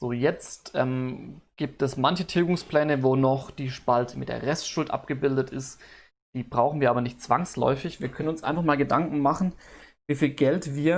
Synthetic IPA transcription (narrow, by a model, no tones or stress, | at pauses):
z̥oːjɛt͡stʔɛːmɡ̥iːp̚tɛsmançətʰeːɡʊŋspl̥ɛːnəvoːnɔχd̥iːʃpaltəmɪtd̥ḛɐʁɛstʃʊltʔa̰pɡ̥əbɪldətɪst | d̥iːbʁaʊxn̩viːɐaːbɐnɪçt̚t͡sv̥aŋslɔ̰ʏfɪçv̥iːɐkʰœnənʊnsʔa̰ɪnfaχmaːlɡədaŋkŋ̩maχn̩viːfiːlɡɛltviːɐ